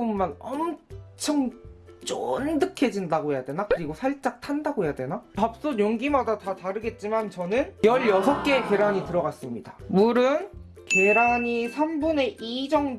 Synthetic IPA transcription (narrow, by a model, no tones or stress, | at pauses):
ummanʌmt͡ɕʰʌŋt͡ɕ͈ondɯkʰe̞d͡ʑindaɡoɦejadwe̞nakɯɾiɡosʰaɭt͡ɕ͈ak̚tʰandaɡoɦejadwe̞naap̚s͈oɲoŋɡimadatataɾɯɡe̞t̚t͡ɕ͈imant͡ɕʌnɯnjʌɭjʌsʰʌk͈e̞ke̞ɾaɲitɯɾʌɡas͈ɯmɲidamuɾɯn | ke̞ɾaɲisʰambune̞ʔid͡ʑʌŋ